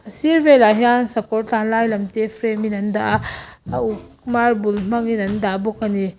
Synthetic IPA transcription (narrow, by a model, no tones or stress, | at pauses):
ɐsiɾbelaɦiansɐpʰɔɾlanlajlɐmtepʰɾeminɐnda | uk | maɾbulm̥aŋinɐndabɔkani